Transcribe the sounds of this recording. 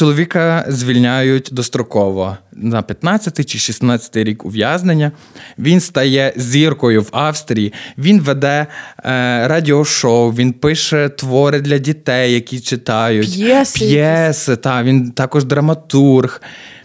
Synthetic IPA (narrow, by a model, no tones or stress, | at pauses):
t͡ʃɔlˠɔʋʲikɐzʲʋʲilʲnʲajʊtʲd̪ɔst̪ɾɔkɔʋɔnɐpʲjɐt̪nɑt͡sʲːɐt̪ɪjt͡ʃɪʃisnɑt͡sʲɐ̥t̪ɪjɾʲikʊʋʲjɑznenʲːɐ | ʋʲinst̪ɐjɛzʲirkɔjʊwɑwst̪ɾʲijiʋʲinʋed̪ɛ | ɾɑdʲiɔʃɔwʋʲinpɪʃɛt̪ʋɔɾɪd̪lʲɐdʲit̪ɛjːɐkʲit͡ʃɪt̪ɑjʊtʲpjɛsɪt̪ɑʋʲint̪ɑkɔʒd̪ɾɐmɐt̪urx